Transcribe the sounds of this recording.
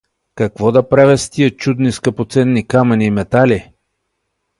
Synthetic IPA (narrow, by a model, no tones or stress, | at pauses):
kɐkvɔd̪ɐpɾavʲɛst̪iət͡ʃud̪niskɐpot̪sɛnːikamɐnʲiːmɛt̪ali